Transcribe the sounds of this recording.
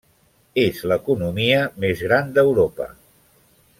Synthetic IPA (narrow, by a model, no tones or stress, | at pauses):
ezləkunumiəmezɣɾand̪əwɾopə̰